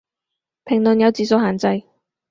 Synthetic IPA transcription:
pʰɪ˨˩ŋlɵ˨njɐ˨˧wt͡siː˨˧so˨˧whaː˨˩nt͡sɐ˧j

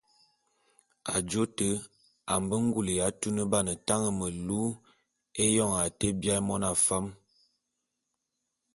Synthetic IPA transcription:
a˨d͡ʒo˦tə˦ | a˨mbə˦ŋ˦ɡu˦˨lə˨ja˨˦tu˦nə˦ba˦˨nə˨ta˦ŋə˨mə˨lu˦ | e˦jɔ˦˨ŋa˨te˦bja˦mɔ˦na˨fa˦m

